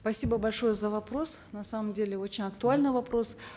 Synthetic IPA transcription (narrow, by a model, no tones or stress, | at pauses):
spɐsʲibəbɐlʲʂo̞jəzəvɐpɾo̞snɐsaməmdʲelʲɪot͡ɕɪnʲɐkt̪ʊalʲnɨjvɐpɾo̞s